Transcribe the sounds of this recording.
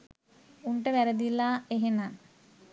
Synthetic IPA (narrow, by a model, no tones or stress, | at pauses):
uɳʈəʋæɾəd̪ilːaːeɦenaŋ